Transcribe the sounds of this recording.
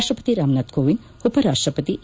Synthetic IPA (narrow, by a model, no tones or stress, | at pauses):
ʃʈɾəpət̪iɾaːmnat̪ɡoːʋin | upɐɾaːʂʈɾəpɐt̪i